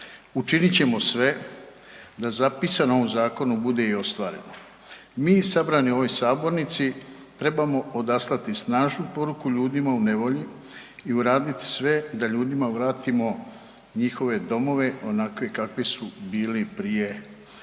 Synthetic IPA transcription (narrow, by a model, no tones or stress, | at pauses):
ut͡ʃinit͡ɕe̞mo̞sʋe̞ | d̪azapisanoo̞ʋomzaːko̞nubud̪e̞io̞st̪ʋaːɾe̞no | miːsabɾanio̞ʋo̞jsaːbo̞ɾnit̪si | t̪ɾe̞bamo̞od̪aslˠat̪isnaːʒnupo̞ɾukuʎuːd̪imaune̞ʋo̞ʎiː | uɾaːd̪it̪i̥sʋe̞d̪aʎuːd̪imaʋɾaːt̪imo̞ | ɲixo̞ʋe̞d̪o̞mo̞ʋe̞o̞nakʋekakʋisubiːlipɾije̞